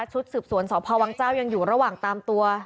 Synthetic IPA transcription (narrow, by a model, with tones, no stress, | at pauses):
t͡ɕʰu˦˥t̪̚sɯː˨˩p̚su˩˦ənsɔː˩˦pʰɔː˧wa˨˧˥ŋt͡ɕaː˥˩wja˧ŋjuː˨˩ɾa˧waː˨˩ŋt̪aː˧mt̪u˧ɐ